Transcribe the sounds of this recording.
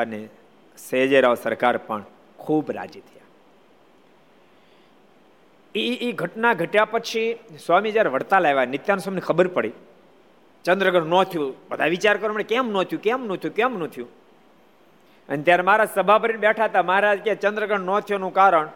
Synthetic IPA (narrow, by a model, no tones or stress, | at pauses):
ne | sed͡ʒeɾaʋsəɾkaɾpəɳ | kʰuːbɾa̰d͡ʒit̪ʰəja | iːɡʱəʈnaɡʱəʈjapət͡ʃʰiswamid͡ʒaɾʋəɽt̪alaʋanɪt̪janũsamnekʰəbəɾpəɽi | t͡ʃə̃nd̪ɾəɡʱəɽnot̪ʰjũbəd̪ʱaʋit͡ʃaɾkəɾomənekɛmnot̪ʰjũkɛmnõt̪ʰjũkɛmnõt̪ʰjũ | ənet̪jaɾemaɾasəbʱapəɾinbɛʈʰat̪amaɾad͡ʒket͡ʃənd̪ɾəɡʱəɽnɔt̪ʰjonũkaɾəɳ